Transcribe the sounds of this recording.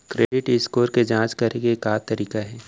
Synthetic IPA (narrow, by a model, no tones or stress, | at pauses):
kɾeːɖɪʈɪskoːɾked͡ʒãːt͡ʃkɐɾeɡekaːt̪ɐɾiːkaɦɛː